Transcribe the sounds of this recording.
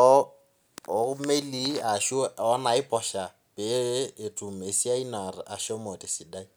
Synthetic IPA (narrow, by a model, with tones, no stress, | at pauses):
ɔ˦ | ɔ˨˦me˦li˨a˨ʃɔ˦na˨ɪ˦pʰʼɔ˨ʃa˨ | pʼeː˨˦˨tʼu˨me˨si˦a˦i˦na˨rɪ˨ʔa˨ʃɔ˦mɔ˨tʼɪ˨sɪ˨da˦i˦